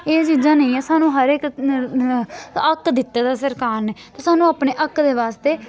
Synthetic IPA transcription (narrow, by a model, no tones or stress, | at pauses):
eːt͡ʃiːzãːnə̃ĩːɛːsaːnũːɦəɾek | əkd̪ɪt̪ːeːd̪aːsəɾkaːɾneːt̪eːsaːnũːaːpneːʔəkd̪eːʋaːst̪eː